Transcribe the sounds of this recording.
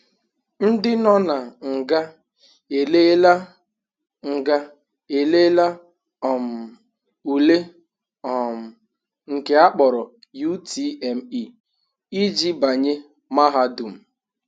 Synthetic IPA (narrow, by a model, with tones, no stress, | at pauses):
n̩˦dɪ˦nɔ˦na˨ŋ̩˨ɡa˦ | e˨le˦la˦ | ŋ̩˨ɡa˦ | e˨le˦la˦ | ɔ˨m̩˨ | u˨le˦ | ɔ˨m̩˨ | ŋ̩˨ke˨a˦k͡pɔ˨ɾɔ˨ | ju˦tʰi˦e˨m̩˦i˦ | i˦d͡ʒi˦ba˨ɲe˦ | ma˦ɦa˦du˨m̩˨